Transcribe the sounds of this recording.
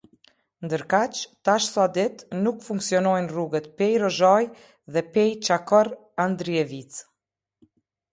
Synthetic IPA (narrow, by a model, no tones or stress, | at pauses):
nd̪əɾkat͡ʃt̪aʃsad̪ɛt̪nukfuŋksiɔnɔjnruɡət̪pɛjɾɔʒaj | ðɛpɛjt͡ʃakɔɾ | and̪ɾiɛvit͡s